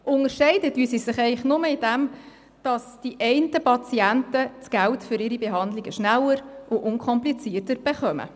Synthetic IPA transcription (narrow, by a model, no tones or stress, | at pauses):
ʔʊnəɾʃɛɪdətyːsisɪχɛɪχnʊməɪd̥æm | d̥ɑsd̥iʔɛɪntəpʰɑt͡siæntət͡sɡ̥æltfʏɾɪɾibɛɦɑnd̪lɪɡəʃnælːəɾʔʊʔʊŋkʰɔmplit͡siːərtəɾb̥ɛχœmə̰